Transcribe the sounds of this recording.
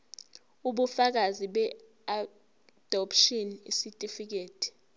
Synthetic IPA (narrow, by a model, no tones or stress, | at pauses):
uɓufak̬aziɓɛ | a | d̥ʱɔpʃinḭsitʼifik̬eːtʼi̥